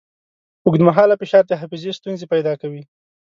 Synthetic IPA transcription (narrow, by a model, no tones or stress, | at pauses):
ʊɡd̪maɦɑlapɪʃɑɾd̪əɦafizest̪unzepajd̪ɑkawi